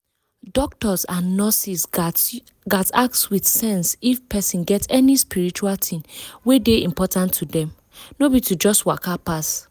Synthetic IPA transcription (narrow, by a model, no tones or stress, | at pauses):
dɔk̚tɔzãnːɔsis | ɡatak̚tswiθsɛ̃nsifpʰɛsĩnɡɛtɛnispiɹit͡ʃualtʰĩnwedeĩmpɔtãntʰːudɛ̃m | nobitud͡ʒɔstwakapas